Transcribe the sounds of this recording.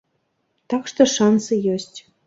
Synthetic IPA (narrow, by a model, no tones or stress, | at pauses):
t̪ɑkʃt̪ɤ̆ʃɑnsɨjosʲtʲ